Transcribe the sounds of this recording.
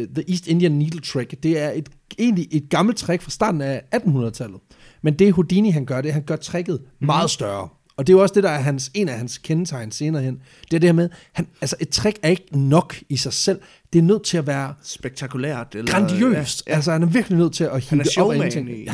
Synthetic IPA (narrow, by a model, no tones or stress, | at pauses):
ðəʔiːsd̥e̝nd̥iənːiːd̥l̩t͡sʰʁeɡ̥d̥e̝æɐe̝d̥ | e̝̰ːnliʔe̝d̥̚ɡ̥ɑ̈ml̩t͡sʰʁæɡ̥fʁɑ̈sd̥ɑ̰̈ːd̥n̩ææd̥n̩hunɐð̞̩ˠt͡sʰæl̰ð̩ˠ | mend̥e̝ɦod̥iniɦænɡ̥ɶɐɾ̥e̝ɦænɡ̥ɶɐt͡sʰʁɛɡ̥ð̞̩ˠmɑ̈ːð̩ˠsd̥ɶɐ | ɒ̽d̥e̝æjo̝ɒ̽sd̥e̝dɑːɐɦænse̝̰ːnæhænskʰenət͡sʰɑ̈ɪ̰nse̝ːnɐːhen̰ | d̥e̝æɐd̥eɐmeðˠhænælsəʔe̝d̥̚t͡sʰʁæɡ̥æɐe̝ɡ̥ənɒ̽ɡ̥isɑ̈ɪsel̰ | d̥e̝æɐnøð̞̰ˠt͡sʰe̝læʋæːɐsb̥eɡ̥̚t͡sʰɑkʰuleɐ̰d̥ɡ̥ʁɑnd̥iø̰ːsd̥ælsəhænæɐʋiɐɡ̥linøð̞̰ˠt͡sʰe̝læhiəɒb̥ænt͡sʰe̝ŋ